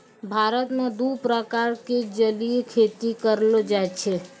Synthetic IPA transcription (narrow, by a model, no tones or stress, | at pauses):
bʱaɾət̪nõd̪upɾəkaɾked͡ʒəliekʰet̪ikəɾlod͡ʒaet͡ʃʰe